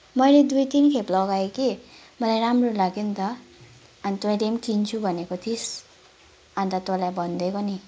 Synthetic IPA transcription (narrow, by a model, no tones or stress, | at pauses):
mʌjled̪ujt̪inkʰeplʌɡaeki | mʌlajɾamrolaɡint̪ʌː | nit̪õlemkint͡sʰubʱʌnekot̪ʰis | ãnt̪at̪olajbʱʌnd̪ekoni